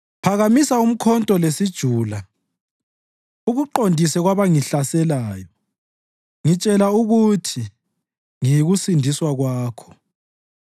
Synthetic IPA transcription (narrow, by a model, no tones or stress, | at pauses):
pʰaɣamisaum̩kʰɔntʼɔlesid̥ʒ̥ʱuːla | uɣuǃondʱisɛɣwaβaŋiɬasɛlaːjɔ | ŋit͡ʃʼɛlauɣutʰi | ŋijiɣusindʱiswaɣwaːkʰɔ̥